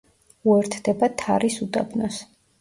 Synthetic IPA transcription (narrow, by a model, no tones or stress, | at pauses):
uɛɾt̪ʰd̪ɛbat̪ʰa̰ɾisud̪ʼa̰bnɔs